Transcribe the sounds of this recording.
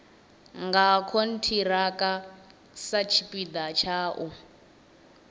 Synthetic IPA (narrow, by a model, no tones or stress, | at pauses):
ŋɡakʰon̩tʰiɾakʼa | sat͡ʃʰipʼid̪at͡ʃʰaːʔu